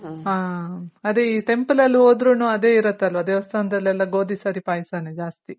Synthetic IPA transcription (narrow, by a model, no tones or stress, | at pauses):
ɦaːɐd̪eiːʈe̞mpɐlɐlːioːd̪ɾuːnuːɐd̪e̞ːiɾɐt̪ːɐlːʋɐɐd̪eːʋɐst̪ʰɐʋɐnd̪ɐlɛlːɐɡo̞ːd̪isɐɾipaːjsaːned͡ʒaːst̪i